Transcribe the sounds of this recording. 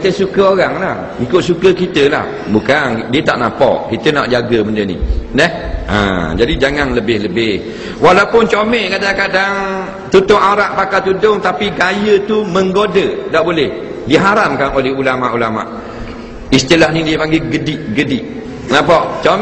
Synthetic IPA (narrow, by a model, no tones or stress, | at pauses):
kit̪əsukəoɣaŋlah | ikʊʔ̪̚sukəkit̪əla̰h | bukandiət̪a̰ʔnapɔ̰ʔkit̪ənaʔd͡ʒaɡəməndənḭnəhʔa̰d͡ʒadid͡ʒaŋaŋləbɪhləbɪh | walawpʊnt͡ʃomɛʔkadakadaŋ | t̪ut̪ʊŋaɾaʔpakat̪udʊŋt̪apiɡajət̪uməŋɡodədaʔbolɛh | diɦaɾamkanolɛhulamaʔulama̰ʔ | ist̪ilahnidiəpaŋɡiɡədɪʔɡədɪʔ | nãpɔʔt͡ʃom